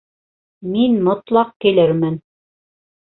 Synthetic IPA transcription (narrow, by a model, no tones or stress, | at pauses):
minmŏt̪lˠɑq̚kilɘɾmɘn